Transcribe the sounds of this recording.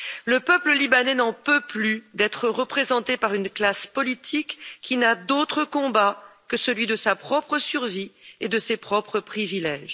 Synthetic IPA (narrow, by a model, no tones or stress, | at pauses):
ləpœpləlibanɛnɑ̃pøplyd̪ɛt̪χəʁəpχezɑ̃t̪epaʁynklaspɔlit̪ʰikʰʲːinad̪ot̪χəkɔ̃bakəsəlɥid̪əsapχɔpχəsyʁvied̪əsepχɔpχəpχivilɛʒ